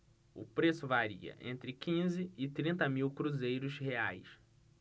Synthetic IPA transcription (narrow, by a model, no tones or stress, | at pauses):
ʊ̰pɾesʊvaɾḭɐ̰ʔḛ̃nt̪ɾɪkĩzɪɪt̪ɾĩnt̪ɐmiwkɾuzejɾʊʃheajs